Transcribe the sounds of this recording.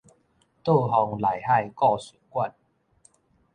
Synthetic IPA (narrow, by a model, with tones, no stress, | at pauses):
t̪o˥˧ɦɔ˨˩ŋla˨˩jha˥˧jkɔ˥˧ɕu˨˩kwa˥˧n